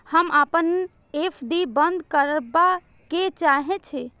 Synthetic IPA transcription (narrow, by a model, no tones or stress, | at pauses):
həməpən | epʰd̪ibənd̪ʱkəɾba | ket͡ʃaɦɛt͡ʃʰɛ